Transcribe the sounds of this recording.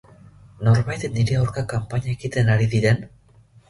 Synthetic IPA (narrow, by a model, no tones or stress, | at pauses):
no̞ɾβajt̪niɾeawɾkakampaɲaekit̪e̞naɾiðiɾe̞n